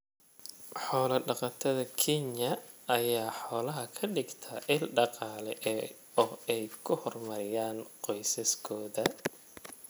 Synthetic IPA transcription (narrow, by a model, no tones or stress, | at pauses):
ħɔːlɐɖɑqɑt̪ʰɐðɐkʰɛɲjɐɐjaːħɔːlɐɦɐkʰɐɖɪɡt̪ʰɐʔɪlɖɑqɑːlɛʔɛ | ɔːɛjkʰʊhɔrmɐɾɪjaːnqɔjsɐskʰɔːðɐ